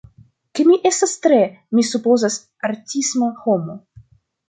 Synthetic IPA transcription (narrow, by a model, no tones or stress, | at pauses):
kemiʔestast̪ɾemisupozas | aɾtʲismaxomo